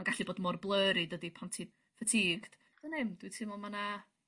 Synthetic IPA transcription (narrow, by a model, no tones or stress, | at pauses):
aɡaɬiboːdmɔrblˠəːɾidədipʰantʰi | fatʰiːɡd̥ | ənemd̥witʰɨmɔmana